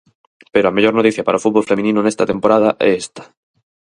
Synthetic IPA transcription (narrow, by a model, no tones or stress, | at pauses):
peɾoameʝo̞ɾnot̪iθjapaɾaofud̪̚βolfemĩnĩnonest̪at̪empoɾað̞aʔḛest̪ḁ